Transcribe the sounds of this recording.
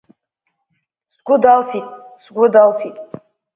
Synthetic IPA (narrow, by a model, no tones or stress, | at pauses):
sɡʷʊdalsitʼsɡʷʊdalsitʼ